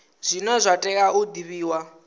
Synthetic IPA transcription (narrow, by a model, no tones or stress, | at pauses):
z̥ʷinɔzʷatʼɛk̬ʼaud̪iβiːwa